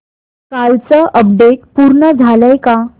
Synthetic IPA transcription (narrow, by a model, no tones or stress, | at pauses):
kalt͡səʔəb̚ɖek̚puɾɳəd͡zʱaləjka